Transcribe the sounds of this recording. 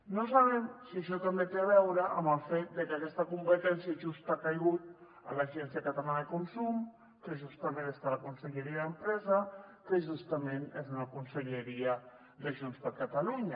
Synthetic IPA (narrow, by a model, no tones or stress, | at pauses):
nos̬aβ̞emsiəʃɔt̪əmbek̪eβ̞ɛwɾəʔə̰məlˠfet̪̚d̪əkakɛst̪əkumpət̪ɛnsjəʒust̪akajɣut̪ | ə̰laʒɛnsjəkat̪alanəkunsum | kəʒust̪əmẽnest̪aləkunsəʎəɾiaðəmpɾɛzəkəʒust̪əmenezunakunsəʎəɾiə | dəʒonspəɾkat̪aluɲa